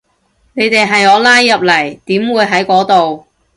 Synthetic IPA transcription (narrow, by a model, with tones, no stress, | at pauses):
ne˨˧jt̪e˨jɦɐ˨jɔː˨˧˥laː˥jːɐ˨p̚lɐ˨˩jt̪iː˨˥mwuː˨˧jɦɐ˨˥jkɔː˨˥t̪o˨w